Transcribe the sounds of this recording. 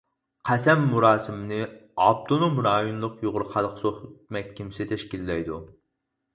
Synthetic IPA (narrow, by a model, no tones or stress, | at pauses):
qʰæsɛmːuɾɑːsɨmɨnɨɑb̚t̪ʰonomɾɑːjonlˠʊqjoʁʊɾχɑlˠqʰsoχt̪mɛk̚ʲʰːimsɪt̪ʰɛʃkʲilːɛjd̪u